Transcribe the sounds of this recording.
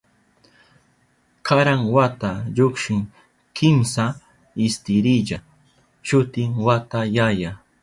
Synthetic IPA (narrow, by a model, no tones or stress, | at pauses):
kʰaɾaŋwat̪aʎokʃɪŋ | kʰɪmsa | ɪst̪ɪɾɪʎa | ʃʊt̪ɪŋwat̪ajaja